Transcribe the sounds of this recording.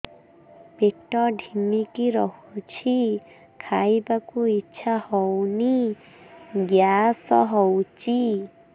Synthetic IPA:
peʈɔɖʱimikiɾɔhut͡ʃʰi | kʰajbakuitːʃʰahɔwni | ɡjasɔɦɔwt͡ʃʰi

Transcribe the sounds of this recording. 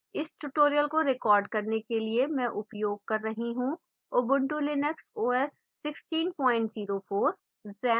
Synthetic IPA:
ɪsʈuʈoːɾijəlkoɾɪkɔːɾɖkɐɾnekeliemɛ̃ːʔʊpjoːɡ̚kɐɾːɐɦiɦũ | oːbʊ̃ɳʈulɪnəksoːɛsːɪksʈiːnpɔːɪ̃ɳʈziːɾofoːɾ | zɛ̃ː

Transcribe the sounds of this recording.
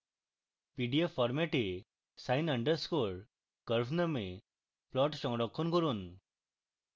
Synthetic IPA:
piɖijapʰɔɾmeʈe | sajnəɳɖəɾskoɭ | kəɾbname | plɔʈsɔ̃ŋɽɔkʰːɔnkɔɾun

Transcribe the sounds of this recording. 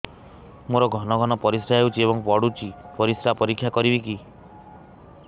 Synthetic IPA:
moɾɔɡʱɔnɔɡʱɔnɔpɔɾisɾaɦewt͡ʃʰieβɔŋpɔɽut͡ʃʰipɔɾisɾapɔɾikʰːjakɔɾibiki

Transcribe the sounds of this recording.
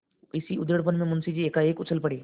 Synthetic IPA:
isiud̪jəɽp̬ənmẽmunsid͡ʑiːekaekut͡sʰəlpəɽe

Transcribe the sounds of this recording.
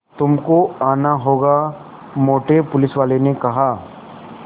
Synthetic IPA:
t̪ʊmkoaːnaɦoːɡa | moːʈepʊlɪsʋaːlenekɐɦaː

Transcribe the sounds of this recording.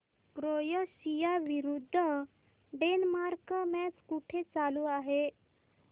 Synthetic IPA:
kɾojəɕijaʋiɾud̪ʱːə | ɖenmaɾkəmɛskuʈʰet͡saluaɦe

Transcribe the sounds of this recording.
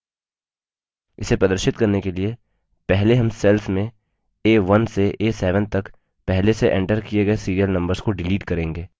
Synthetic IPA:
ɪ̰sepɾɐd̪əɾʃɪt̪̚kɐɾnekelie | pɛɦleɦɐ̃msɛlfmẽ | eːʋɐnseʔeːsɛːʋə̃nt̪ɐk | pɛɦleseʔɛ̃ɳʈəɾkijeɡɐesiːɾijəlnɐ̃mbəɾzkoɖɪliːʈkɐɾẽːŋɡeː

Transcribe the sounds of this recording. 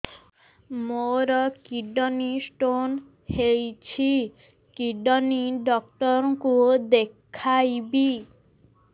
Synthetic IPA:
moɾɔkiɖɔnisʈon | hejt͡ɕʰi | kiɖɔniɖɔk̚ʈɔɾŋkud̪ekʰajbi

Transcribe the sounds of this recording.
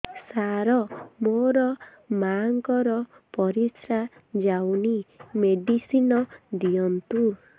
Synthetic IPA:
saɾɔmoɾɔ | maŋkɔɾɔ | pɔɾisɾad͡ʒawnimeɖisinɔd̪ijɔnt̪u

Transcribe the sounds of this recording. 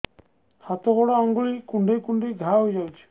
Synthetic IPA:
hat̪ɔɡɔɽɔɔŋɡuɭikuɳɖejkuɳɖejɡʱaɦojd͡ʒawjt͡ʃʰi̥

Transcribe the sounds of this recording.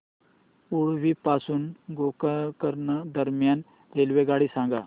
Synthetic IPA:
oɽʋipasuːnɡokakəɾnad̪əɾmjan | ɾelʋeɡaɽisãŋɡa̰

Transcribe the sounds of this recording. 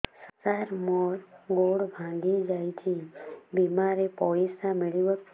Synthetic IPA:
səsaɾmɔɾɡoɽbʱãɡid͡ʒajt͡ʃʰibimaɾepɔisamɪɭiʋə

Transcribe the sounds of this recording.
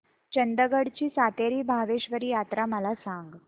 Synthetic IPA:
t͡ɕənd̪əɡəɽt͡ɕiːsat̪eɾiːbʱaʋeɕʋəɾiːjat̪ɾaməlasaŋɡ

